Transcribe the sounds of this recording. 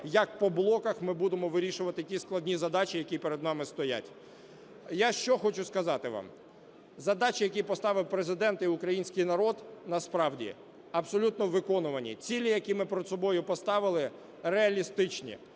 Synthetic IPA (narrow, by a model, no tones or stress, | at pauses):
jɐk̚pɔblˠɔkɐxmɪbud̪emɔʋɪɾʲiʃʊʋɐt̪ɪtʲisklˠɐd̪ʲnʲizɐd̪ɑt͡ʃʲijɐkʲipeɾed̪nɑmɪst̪ɔja̰tʲ | jaʃt͡ʃɔxɔt͡ʃʊskɐzɑt̪ɪʋ̰m | zɐd̪ɑt͡ʃʲijɐk̬ʲipɔst̪ɑʋɪwpɾezɪd̪ɛnt̪iʊkɾɐjinʲsʲkɪjnɐɾɔd̪nɐspɾɑwdʲḭ | ɐbsɔlʲut̪nɔʋɪkɔnʊʋɐnʲḭt͡sʲilʲijɐkʲimɪpɾɛd̪sɔbɔjʊpɔst̪ɑʋɪlˠɪ | reɐlʲist̪ɪt͡ʃnʲḭ